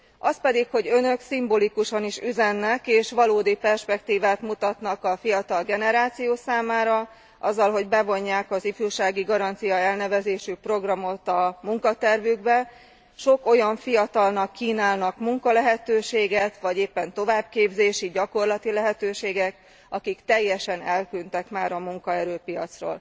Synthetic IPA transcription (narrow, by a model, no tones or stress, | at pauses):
ɒspɛd̪ikho̞ɟø̞nø̞ksimbolikuʃɒniʃyzɛnːɛkeːʃʋɒloːd̪ipɛrʃpɛkt̪iːvaːt̪mut̪ɒt̪nɒkɒfijɒt̪ɒlɡɛnɛɾaːt̪sijoːsaːmaːɾɒ | ʔɒ̰zːɒlɦo̞ɟbɛvo̞ɲːaːkɒzifyːrʃaːɡiɡɒɾɒnt̪sijɒɛlnɛvɛzeːʃypro̞ɡrɒmo̞t̪ɒmuŋkɒt̪ɛrvyɡbɛ | ʃo̞ko̞jɒɱfijɒt̪ɒlnɒkːiːnaːlnɒkmuŋkɒlɛɦɛt̪øːʃeːɡɛt̪ʋɒɟeːpːɛnt̪o̞vaːb̚keːbzeːʃiɟɒko̞rlɒt̪ilɛɦɛt̪øːʃeːɡɛk | ɒkikt̪ɛjːɛʃɛnɛlkynt̪ɛkmaːɾɒmuŋkɒɛɾøːpijɒ̰t̪sro̰ːl